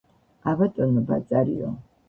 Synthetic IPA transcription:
abat̪ʼɔnɔbat̪sʼaɾḭɔ̰

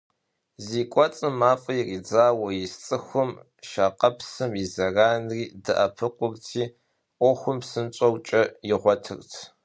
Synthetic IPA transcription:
ziːkʷʼɔt͡sʼɨmaːfʼɐjriːd͡zaːwɐjɪst͡sʼɨxʷʊm | ʃaːqɐpsɨmizɐraːnriːdɨʔɐpʰɨqʷʊrtʰiː | ʔʷɔxʷʊmsɨnt͡ʃʼɐwt͡ʃʼɐjɪʁʷɔtʰɨ̰rtʰ

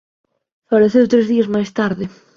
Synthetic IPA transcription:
faleθewt̪ɾezðiɐzmajst̪aɾðɪ

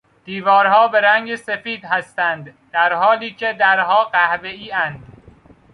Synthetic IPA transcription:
d̪̥iːvɒːɾhɒːbe̞ɾæŋɟesefiːd̪ɦæst̪ænd̪d̪̥æɾhɒːliːcʰed̪æɾɦɒːɢæhve̞iːænd̪̥

